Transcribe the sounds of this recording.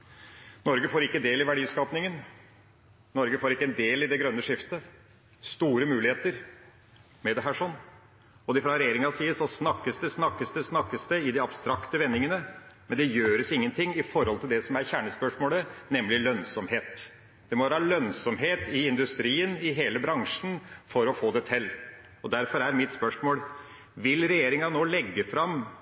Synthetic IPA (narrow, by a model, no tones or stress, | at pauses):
nɔɾɡəfoːɾɪkːəd̪eːlɪʋæɖiːskɑːpnɪŋən | nɔɾɡəfoːɾɪkːəɛnd̪eːlɪd̪ɛɡɾœnːəʂɪft̪ə | st̪uːɾəmʉːlɪheːt̪əɾ | mɛd̪ɛɦæːʂɔnː | ɔd̪ɪfɾɑɾɛjeːɾɪŋɑsiːəsɔsnɑkːəsd̪ɛsnɑkːəsd̪ɛsnɑkːəsd̪ɛɪd̪ɪɑbst̪ɾɑkt̪əʋɛnːɪŋənəmɛnd̪ɛjøːɾəsɪŋːənt̪ʰɪŋːɪfɔɾhɔlt̪ʰɪld̪ɛsɔmæɾçæːɳəspœʂmoːlənɛmlɪlœnsɔmheːt̪ | d̪̥ɛmɔʋɾɑːlœnsɔmɦeːt̪ɪɪnd̪ʉst̪ɾiːənɪɦeːləbɾɑŋʂn̩fɔɾɔfoːd̪ɛt̪ʰɛlː | ɔd̪æɾfɔɾæɾmɪt̪spœʂmoːl | ʋɪlɾɛjeːɾɪŋɑnoːlɛɡːəfɾɑm